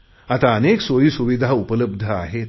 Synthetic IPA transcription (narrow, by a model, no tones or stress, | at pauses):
at̪aəneksoɭiːsuʋid̪ʱaupələb̚d̪ʱəaɦet̪